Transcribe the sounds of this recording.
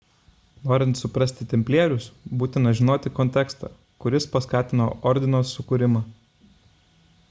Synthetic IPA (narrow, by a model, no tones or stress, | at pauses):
noːɾʲɪnt̪sʊpɾɐsʲt̪ʲɪt̪ʲɛmʲpʲlʲeɛɾʲʊsbuːt̪ʲɪnɐʒʲɪnoːt̪ʲɪkɔnʲt̪ʲɛkst̪ɑ̰ː | kʊɾʲɪspɐskɑːt̪ʲɪno̰ːʔɔɾʲd̪ʲɪnoːsʊkʊɾʲɪmɑː